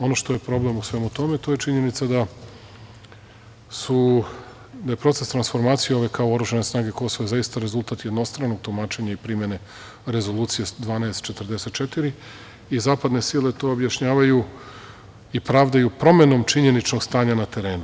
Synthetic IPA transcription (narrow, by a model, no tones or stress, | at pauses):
o̞no̞ʃt̪o̞je̞pɾo̞ble̞musʋe̞ːmut̪o̞met̪o̞ːjet͡ʃiɲe̞nit̪sad̪a | su | d̪aje̞pɾo̞t̪e̞st̪ɾansfo̞ɾmaːt̪sijeo̞ʋe̞kaoo̞ɾuʒane̞snaːɡe̞ko̞soʋoezaist̪aɾe̞zulˠt̪at̪jed̪no̞st̪ɾanoɡ̚t̪omaːt͡ʃe̞ɲaipɾimje̞ne̞ | ɾe̞zolˠuːt̪sijed̪ʋaːnaest̪t͡ʃe̞t̪əɾd̪ese̞t̪̚t͡ʃet̪iɾi | izaːpad̪ne̞sile̞t̪o̞objaʃɲaːʋaju | ipɾaːʋd̪ajupɾo̞me̞no̞mt͡ʃiɲe̞nit͡ʃno̞ɡst̪aːɲanat̪e̞ɾe̞ːnu